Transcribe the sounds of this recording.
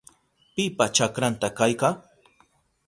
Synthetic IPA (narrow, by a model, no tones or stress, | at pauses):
pɪpat͡ʃakɾant̪akajka